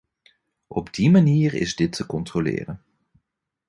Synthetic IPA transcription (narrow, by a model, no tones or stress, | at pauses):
ʔɔbdimaniːrɪ̰zdɪtʰːəkɔntrolɪ̰ːrən